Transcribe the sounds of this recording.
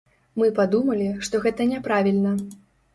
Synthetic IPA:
mɨpad̪umɐlʲiʂt̪ɔɣɛt̪ɐnʲɛpɾavʲilʲnɐ

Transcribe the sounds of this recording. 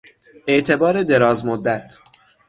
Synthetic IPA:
ʔe̞ʔt̪ʰe̞bɒːɾe̞d̪e̞ɾɒːzmod̪ːæt̪ʰ

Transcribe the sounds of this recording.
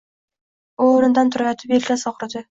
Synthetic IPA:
oːɾɪnd̪ant̪ʰʊɾajat̪ʰɪpeɾʲlʲasɒqɾad̪ɪ

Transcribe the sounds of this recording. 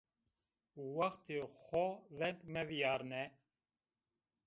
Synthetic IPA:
wɑxt̪ʰexɔvɛŋkmɛvijɑːɾnɛ

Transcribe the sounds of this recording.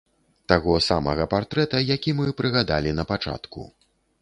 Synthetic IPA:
t̪aɣɔsamɐɣɐpart̪ɾɛt̪ɐjakʲimɨpɾɨɣad̪alʲinɐpat͡ʂa̰t̪kṵ

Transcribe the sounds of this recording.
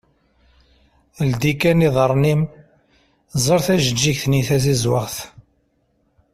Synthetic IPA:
ld̪ikæniðˤəɾˤnim | zˤəɾθæʒəd͡ʒːiçθniθæθizwəʁθ

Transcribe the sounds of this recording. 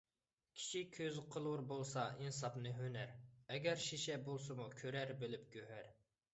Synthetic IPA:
kʲʰi̥ʃikʲʰøzqʰəlˠuɾbolˠsɑinsɑpnɨɦønæɾɛɡʲɛɾʃiʃɛbolˠsɨmukʲʰøɾæɾbɪlɪp̚ɡʲøɦæɾ

